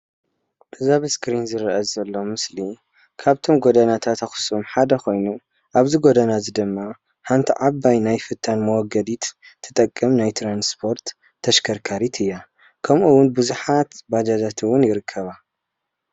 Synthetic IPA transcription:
bɨzaβɨskɾinzɨɾʔɐzɐlːomɨsli | kʰaβt̪ʰo̞mɡod̪anat̪ʰat̪axu̥sumħad̪ɐxo̞jnu | ʔaβzɨɡod̪ɐnazɨd̪ɨmːa | ħant̪ʰiʕabːajnajfɨt̪ʰːanmɐwɔɡɐd̪it̪ | t̪ʰːɨ̥t̪ʼɐkʼːɐmnajt̪ʰɾanspʰo̞ɾt̪ʰː | ɐʃkʰɐɾkʰaɾit̪ʰɨjːa | kʰɐmʔuwʊnbɨzuħat̪bad͡ʒazat̪ʰwʊnjɪɾɨkʰːɐβa

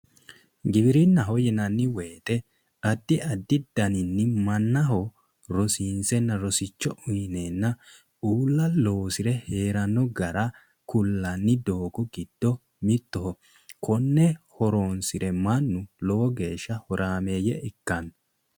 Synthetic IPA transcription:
ɡɪbɪɾɪnːɐɦɔjɛnɐnːɪweːt̪ɛ | ɐd̪ːɪɐd̪ːɪd̪̥ɐnɪnːɪmɐnːɐɦɔ | ɾɔsiːnsɛnːɐɾɔsɪt͡ʃːɔʊjneːnːɐ | uːlːɐloːsɪɾɛhe̞ːɾɐnːɔɡɐɾɐ | kʊlːɐnːɪd̪oːɡɔɡɪd̪̥ːɔ | mɪt̪ːɔɦɔ | kʰɔnːɛhɔɾoːnsɪɾɛmɐnːʊlɔːɔɡe̞ːʃːɐhɔɾʔaːme̞ːjːɛɪkːɐn

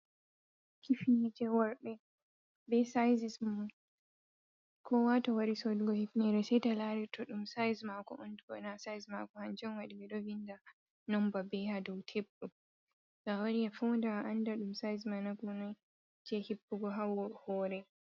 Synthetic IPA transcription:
kifinɛd͡ʒɛwaɾɗɛ | bɛsajzism | kʰɔwatɔwaɾisɔdɡɔhifnɛɾɛsɛjtalaɾɛtʰɔɗumsajzmakɔʔɔndɡɔ̰nasajzmakɔhand͡ʒɛnwaɗiɡɛɗɔvinda | nɔmbabɛhadɔwtʰɛbɗɔ | ɡawaɾijafɔwndaʔandaɗumsajzmanaɡɔnɔ | d͡ʒɛhibːuɡɔɦawɔhɔːɾɛ

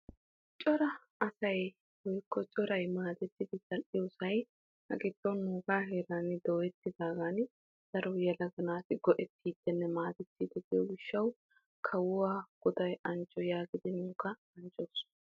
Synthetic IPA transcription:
t͡ʃʼɔɾɐ | ɐsɐj | wɔjkʰːɔt͡ʃʼɔɾɐjmaːd̪ɛt̪ːɪd̪ɪt̪ʼɐlʔɪjʊsɐj | hɐ̰ɡɪt̪ːɔnːuːɡaːheːɾanɪd̪oːjɛt̪ːɪd̪aːɡan | d̪̥ɐɾɔjɛlɐɡɐnaːt̪ɪɡɔʔɛt̪ːiːd̪ːɛnːɛmaːd̪ɛt̪ːid̪ɪɡɪjɔɡɪʃːɐw | kʰɐwʊwaːɡ̥ɔd̪ɐjɐnt͡ʃʼːɔjaːɡɪd̪ɪnuːkːɐ | ɐnt͡ʃʼos

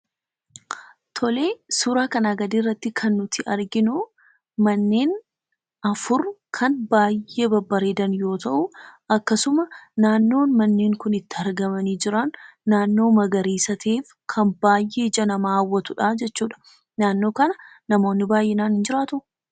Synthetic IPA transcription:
t̪ʰɔle̞ːsuːɾaːkɐnaːɡɐd̪iːrːɐt̪ːɪkʰɐnːʊt̪ʰɪɐɾɡɪnʊ | mɐnːeːn | ɐfʊɾkʰɐnbaːjːe̞ːbɐbːɐɾeːd̪ɐnjo̞ːt̪ʰɐʔʊɐkːɐsʊmɐnaːnːo̞ːnmɐnːeːŋkʊnɪt̪ːɪɐɾɡɐmɐniːd͡ʒɪɾɐnːaːnːo̞ːmɐɡɐɾiːsɐt̪ʰeːf | kʰɐnbaːjʔːe̞ːd͡ʒɐnɐmaːwːɐt̪ʊᶑaːd͡ʒɛt͡ʃːuːᶑɐ̥ | naːnːoːkɐnɐ | nɐmo̞ːnːɪbaːjʔeːnaːnɪnd͡ʒɪɾaːt̪ʊ

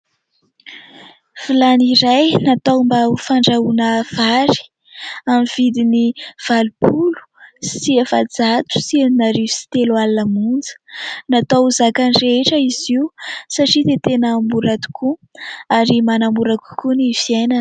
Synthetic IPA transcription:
v̥ilaniɾajnat̪ambafaɳɖ͡ʐaunəv̥aɾi̥ | amiv̥id̪iniv̥alupulu̥siavad͡zat̪u̥sieninaɾivsi̥t̪elwalanəmund͡zə̥nat̪awzakanireʈ͡ʂəiziusaʈ͡ʂid̪et̪enəmbuɾat̪u̥kʰuaɾimanambuɾaku̥kuniviananə

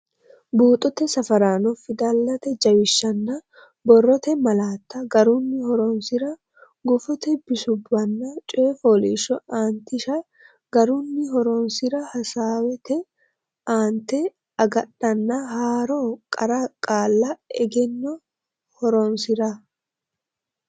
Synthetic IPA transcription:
buːt̪ʼɔt̪ɛsɐfɐɾaːnɔfɪd̪ɐlːɐt̪ɛd͡ʒɐwɪʃːɐnːɐ | bɔrːɔt̪ɛmɐlaːt̪ːɐɡɐɾʊnːɪhɔɾɔnsɪɾɐ | ɡʊfɔt̪ɛbɪsʊbːɐnːɐt͡ʃʼeːfoːlḭːʃɔʔaːnt̪ɪʃɐ | ɡɐɾʊnːɪɦɔɾɔnsɪɾɐhɐsaːwɛt̪ɛ | aːnt̪ɛ | ɐɡɐɗɐnːɐhaːɾokʼɐɾɐkʼaːlːɐɛɡɛnːɔ | hɔɾɔnsɪɾɐ

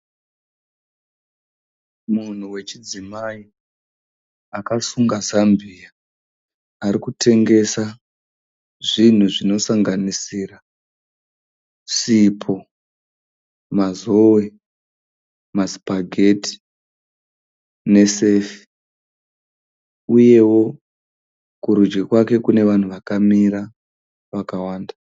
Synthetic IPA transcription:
mun̤uwe̞t͡ʃid͡zimai | akasuŋɡazambʱia | aɾikutʰe̞ŋɡe̞sa | ʐin̤uʐino̞saŋɡanisira | sipʰo̞ | mazowe̞ | masi̥paɡʱe̞ti̥ | ne̞se̞fi̥ | uje̞wo̞ | kuɾud͡ʒɡikwake̞kune̞ʋan̤uʋakamiɾa | ʋakawaːnda

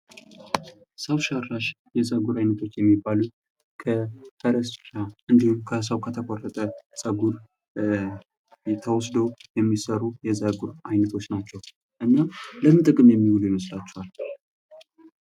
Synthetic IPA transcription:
səwʃaraʃ | jɛzəɡuɾajnət̪ʰo̞t͡ʃːjɛmːibːalu | kʰəfʰəɾəsʃaʔɨnd̪ihumkʰəs̬əwkʰət̪ʰəkʷʼɔrːət̪ʼəsʼəɡuɾ | t̪ʰəwɔsd̪əwjɛmːisəɾujɛzəɡuɾajnət̪ʰo̞t͡ʃːnat͡ʃːɛw | ʔɨnːaləmɨt̪ʼɨkʼɨmjɛmːiwulujɛməslat͡ʃːɛhal

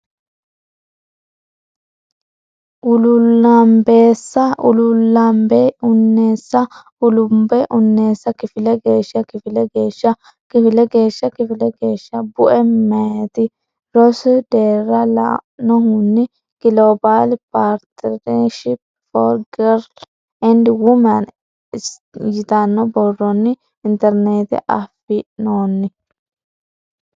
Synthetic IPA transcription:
ʔʊlʊlːɐmbeːsːɐʔʊlʊlːɐmbɛʊnːe̞ːsːɐ | ʊlʊmbɛʔʊnːe̞ːsːɐkɪfɪlɛɡe̞ːʃːɐkɪfɪlɛɡeːʃɐ | kɪfɪlɛɡe̞ːʃːɐkɪfɪlɛɡe̞ːʃːɐbʊʔɛeːt̪ɪ | ɾɔsɪd̪eːrːɐla̰nɔɦʊnːɪ | ɡ̥ɪlobaːlpaːɾt̪ɛɾeʃɪp | fɔɾɡɛɾ | ɛnd̪ɪwʊmɐn | jɪt̪ɐnːɔbɔrːɔnːɪ | ɪnt̪ɛɾneːt̪ɪ̰ʔɐfːɪnoːnːɪ

